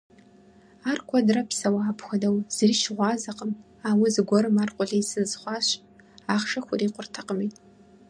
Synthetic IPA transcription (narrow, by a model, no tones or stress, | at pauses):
arkʷʰadrapʰsawaːpʰxʷɐdawz̥riʃʁʷɑzaqʼəm | awizɨɡʷɔɾɨmarqʷʼʊɮejsɨzχʷɑɕ | aχʂɐxʷʊriːqʷʼʊrtʰaqʼəmitʼ